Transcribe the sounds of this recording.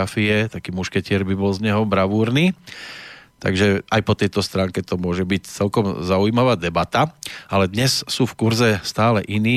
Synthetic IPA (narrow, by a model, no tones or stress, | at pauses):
afiɛt̪akiːmuʃkɛcɪɛɾbibɔlzɲɛɦɔbɾaʋuːɾniː | t̪a̰ɡʒɛajpɔt̪ɛjt̪ɔst̪ɾaːŋkɛt̪ɔmʊɔʒɛbict͡sɛlkɔmzaujimaʋaːd̪ɛbat̪aalɛd̪ɲɛssuːfkuɾzɛst̪aːlɛʔiniː